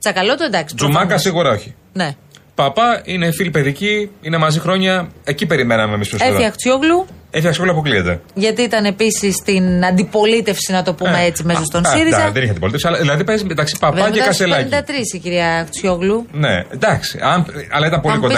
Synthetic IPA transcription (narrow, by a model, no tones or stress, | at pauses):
t͡sɐkɐlot̪oend̪ɐksi̥zumɐkɐsiɣuɾɐo̞çi̥ | ne̞ | pɐpɐine̞filipe̞ðiciinemɐzixɾo̞ɲɐe̞cipe̞ɾime̞nɐmemispɾoseiɐkt͡sçoɣluefiɐktsjoɣluɐp̬okliet̪ḛʝɐt̪iit̪ɐne̞pisist̪inɐnd̪ipo̞lit̪e̞fsinɐt̪o̞pumeet͡sime̞sost̪o̞nsiɾizɐðeniçeɐnd̪ipoit̪esiɐlɐðilɐðipezmend̪ɐksipɐɐeɐkɐselɐind̪ɐt̪ɾisiciɾiɐk̪t͡sçjoɣlunḛnd̪ɐksi̥̰ɐnɐ̰lɐit̪ɐmpo̞likon